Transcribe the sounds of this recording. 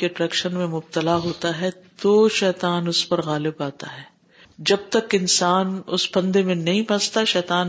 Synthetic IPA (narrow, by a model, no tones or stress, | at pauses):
eɐʈɾɛːkʃənmẽmʊb̚t̪əlaɦoːt̪aɦɛt̪oʃɛːt̪aːnʊspɐɾɣaːlɪbaːt̪a̰ɦɛː | d͡ʒɐb̚t̪ɐkɪnsaːnʊsbɐ̃nd̪emẽnɐɦĩpɐ̃st̪aʃɛːt̪aːn